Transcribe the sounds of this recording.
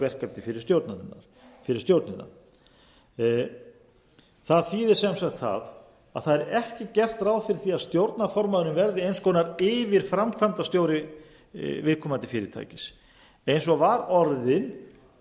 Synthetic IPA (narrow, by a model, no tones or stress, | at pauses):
vɛr̥kaɾt̪ɪfɪɾɪ̥ɾst̪jowɾt̪naɪ̰nːaɾ | fɪɾɪ̥ɾst̪jowɾt̪nɪnːa̰ | θaðθiðɪɾ̥sɛmsaxt̪θa̰ð | a̰ðθaðɛɾɛhcɪcɛr̥t̪raːwðfɪɾɪ̥θiaðst̪jowɾt̪nafɔɾmaðʏɾɪmvɛɾðɪejnskɔːnaɾɪvɪɾ̥fɾamkʰvamt̪ast̪joːwɾɪ | vɪðkʰɔmant̪ɪ̥fɪːɾɪɾ̥t̪ʰa̰jcɪs | ejns̬ɔvaɾɔɾðɪn